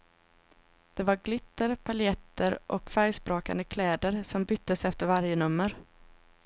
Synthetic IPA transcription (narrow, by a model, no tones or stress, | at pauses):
d̪̥ɛvaɾɡlɪt̪ːəɾpʰalɪɛt̪ːəɾʔɔkfæɾjsbɾoːka̰nd̪əkʰlɛːd̪əɾsɔmbʏt̪ːəsɛft̪əɾvaɾjənɵmːəɾ